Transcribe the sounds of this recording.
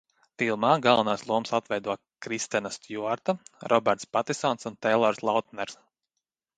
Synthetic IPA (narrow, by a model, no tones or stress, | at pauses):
t̪ilˠmaːɡalˠvanaːslˠuɔmsat̪vɛjd̪uɔ | kɾist̪ɛnast̪juaɾt̪aɾʔɔbɛɾt̪spat̪isɔnsunt̪ɛjlˠɔɾslˠawt̪̚nɛɾs